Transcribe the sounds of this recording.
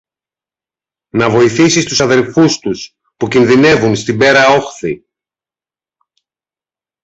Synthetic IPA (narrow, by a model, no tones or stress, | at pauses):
nɐvo̞iθisist̪usɐðe̞lfust̪us | pucinðine̞vunst̪ibe̞ɾɐo̞xθi